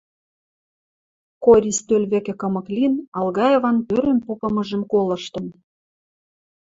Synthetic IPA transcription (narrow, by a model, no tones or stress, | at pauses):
koɾʲist̪ølʲβekĕkɤ̆mɤ̆klʲinɑlɣɑjevɑnpøɾenpopɤ̆mɤ̆ʒə̆mkolɤ̆ʃt̪ɤ̆n